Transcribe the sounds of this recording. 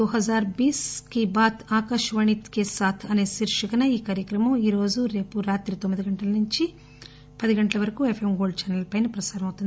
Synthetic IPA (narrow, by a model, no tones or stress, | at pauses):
d̪uɦɐzaːɾbiːskibaːt̪ʰaːkɐʂʋɐɳit̪keːsaːt̪ʰɐne̞ːʃiɾʂɐkɐnɐiːkaːɾjɐkɾɐmɐmiːɾo̞ːd͡ʒuɾe̞ːpuɾaːt̪ɾit̪omːid̪iɡɐɳʈɐlɐnuɲt͡ʃi | pɐd̪iɡɐɳʈɐlɐʋɐɾɐkuːefʰemɡoːɭɖt͡ʃɛːnɐlpɐjnɐpɾɐsaːɾɐmɐwt̪und̪i